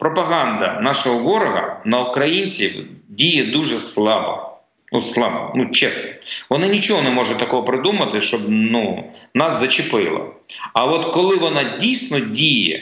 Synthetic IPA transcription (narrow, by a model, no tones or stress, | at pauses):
pɾɔpɐɦɑnd̪ɐnɑʃɔɦɔʋɔɾɔɦɐ̰nɐukɾɐjinʲt͡sʲiwdʲijɛd̪uʒɛslˠɑbɔ̰ | nuslˠɑbɔ̰nut͡ʃɛsnɔ̥ʋɔnɪnʲit͡ʃɔɦɔnɛmɔʒʊt̚ʲt̪ɐkɔɦɔpɾɪd̪umɐt̪ɪʃt͡ʃɔbnunɑszɐt͡ʃɪpɪlˠɐ̰ɐʋɔt̪kɔlˠɪʋɔnɑdʲijsʲnɔdʲijɛ̰